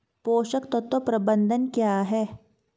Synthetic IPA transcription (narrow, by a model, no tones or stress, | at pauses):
poːʃəkt̪ɔt̪opɾɐbənd̪ʱənkjaːɦɛ